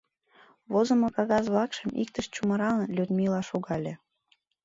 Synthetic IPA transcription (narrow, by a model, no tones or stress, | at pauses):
βozə̆mokɑɣɑzβlɑkʃəmḭk̚t̪əʃt͡ɕumɤ̆ɾɑlənlʲyd̪milɑʃuɣɑlʲe